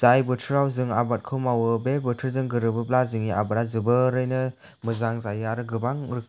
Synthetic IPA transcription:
z̥ajbɯtʰɯɾawzɯŋabat̚kʰɯwmawɯbebɯtʰɯɾzɯŋɡɯɾɯbɯblazɯŋiʔa̰bɯɾazɯbɯɾɯjnɯ | mɯzaŋzajɯaɾɯɡɯbaŋɾɯ

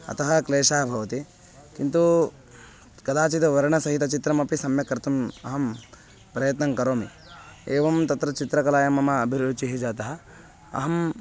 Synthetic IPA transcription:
ɐ̰t̪ɐɦɐkleːʃaːɐbʱɐʋɐt̪i | kint̪u | kɐd̪aːt͡ʃit̪ɐʋɐɾɐɳɐsɐɦit̪ɐt͡ʃit̪ɾɐmɐpisɐmjɐkɐɾt̪umɐ̰ɦɐm | pɾɐjɐt̪nɐŋkɐɾoːmi | eːʋɐmt̪ɐt̪ɾɐt͡ʃit̪ɾɐkɐlaːjɐmɐmɐːbʱiɾut͡ʃiɦid͡ʒaːt̪ɐɦɐ̆ | ɐ̰ɦɐm

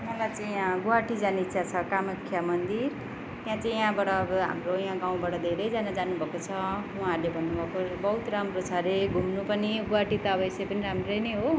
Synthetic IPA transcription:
mʌlajt͡saĩɡuwaʈid͡zanit̪ːsʰat͡sʰʌkamʌkʰːjamʌnd̪ir | t̪jãt͡saĩjãbaɽʌːbʌɦa̰mrojãɡaw̃baɽʌd̪ʱeɾʌjd͡zanad͡zanubʱʌkot͡sʰʌũãrlebʱʌnːubʱʌkobʌɦut̪ramrot͡sʰʌɾeɡʱumnupʌniɡuaʈit̪ʌʌbʌesejpʌniɾamrʌjnʌjɦo

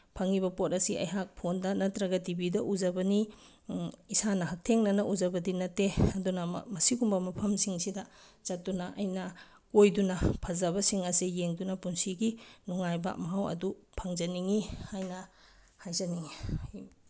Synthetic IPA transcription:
pʰaŋibɐpot̚ɐsiɐ̰jɦak̚pʰondɐnɐtɾɐɡɐtibidɐʔuzɐbɐni | isanɐɦɐk̚tʰeŋnɐnɐʔuzɐbɐdinɐtːeɐdunɐ̰mɐsiɡumbɐmɐpʰɐmsiŋsidɐ | zɐtːunɐʔɐjnɐ | kojdunɐpʰɐzɐβɐsiŋɐsijeŋdunɐpunsiɡinuŋajba̰mɐɦawɐ̰dupʰɐŋzɐniŋihajnɐ | hajzɐniŋ

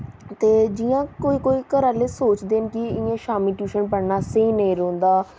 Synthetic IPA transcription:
t̪eːd͡ʒɪjãːkoːiːkoːiːkəɾaːleːsoːt͡ʃd̪eːnkɪɪãːʃaːmiːʈjuːʃənpəɽnaːseːnəĩːɾõːnd̪aː

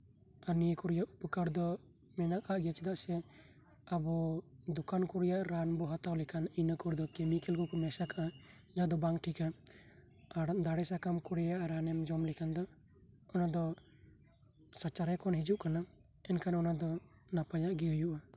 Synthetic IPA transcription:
anikɔɾijaʔupəkaɾd̪ɔ | mɛnaʔkaʔɡat͡ʃɛd̪aʔsɛ | abɔd̪ukankuɾijaʔɾanbɔɦat̪awlɛkʰaninəkɔɾd̪ɔkemikɛlkɔkɔmɛsakaʔa | d͡ʒad̪ɔbaŋʈʰika | ad̪aɽɛsakamkuɾɛjaʔaɾanɛmd͡ʒɔmlɛkʰand̪ɔː | nad̪ɔ | sat͡ʃaɾɛkɔnɦid͡ʒuʔkana | ɛnkanɔnad̪ɔ | napajaʔɡiɦujuʔa

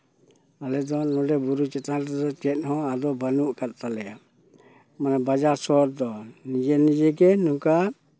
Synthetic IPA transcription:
alɛd̪ɔnɔdɛbuɾut͡ʃɛt̪aɛd̪ɔt͡ʃɛt̪̚hɔ̃ad̪ɔbanuʔkat̪̚t̪alɛa | manabad͡ʒaɾsɔɾd̪ɔnid͡ʒɛnid͡ʒɛɡɛnuka

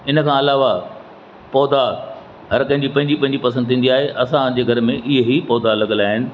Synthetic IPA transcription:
ɪnəkʰãɐlaːʋa | pɔːd̪a | ɦɐɾkɐ̃ɦɪ̃ɲd͡ʑipɐ̃ɦɪ̃ɲd͡ʑipɐ̃ɦɲd͡ʑipɐsə̃nd̪t̪ʰĩːn̆d̪iaːɦeʔɐsãd͡ʑeːɡʱɐɾmẽʔɪɦɦipɔːd̪alɐɡəlaːɦɪnɪ̆

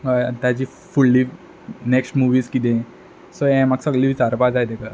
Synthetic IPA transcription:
t̪jat͡ɕiː | fulliː | neksʈmuʋiːskit̪̬ẽ | sojɛ̃maksəɡliʋit͡saɾpad͡zajt̪eka

